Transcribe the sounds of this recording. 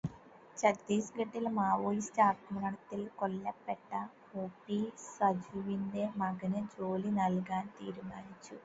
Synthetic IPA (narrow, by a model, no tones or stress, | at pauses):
t͡ʃɐkd̪iːsɡɐʈːilmaːʋoːjist̪ɐaɾt̪ɐmɐnɐɽɐt̪ːilkolːɐpːeʈːɐ | oːpːisɐd͡ʒuʋind̪emɐɡɐnɨd͡ʒoːlinɐlɡaːnt̪ḭːɾumaːnit͡ʃːu